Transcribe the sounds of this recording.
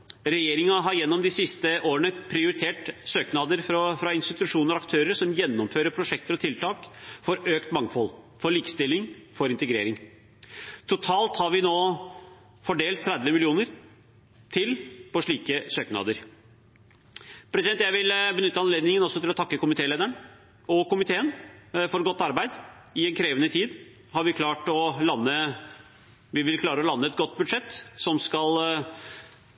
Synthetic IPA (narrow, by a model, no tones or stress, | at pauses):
ɾɛjeːɾɪŋɑɦɑɾjɛnːɔmd̪ɪsɪst̪əʔoːɾəɳəpʰɾɪʊɾɪt̪ʰeːʈsøːknɑːd̪əɾfɾfɾɑɪnst̪ɪt̪ʉʂuːnəɾɔɑkt̪ʰøːɾəɾsɔmjɛnːɔmføːɾəpʰɾʊʂɛk̚t̪əɾɔt̪ʰɪlt̪ɑːkfɔɾøːkt̪mɑŋfɔl | fɔɭiːkst̪ɪlːɪŋfɔɾɪnt̪əɡɾḛːɾɪŋ | t̪ʰʊt̪ʰɑːlt̪hɑɾʋɪnoː | fɔɖeːlt̪ʰːɾɛd̪ʋəmɪlɪuːnəɾ | t̪ʰɪlpɔʂɭiːkəsøːknɑ̰ːd̪əɾ | pʰɾɛsɪɛnt̪jæɪʋɪlbənʏt̪ːəɑnleːd̪nɪŋənɔsːɔt̪ɪlɔt̪ʰɑkːəkʊmɪt̪ʰeːleːd̪æɳ | ɔkʊmɪt̪ʰeːənfɔɾɡɔt̪ːɑɾbæɪd̪ | ɪɛnkʰɾeːʋənət̪ʰiːd̪ | hɑɾʋɪkʰlɑːʈɔlɑnːə | ʋɪʋɪlkʰlɑːɾəɔlɑnːəɛt̪̚ɡɔt̪̚ːbʉd̪ʂɛt̪ːsɔmskɑl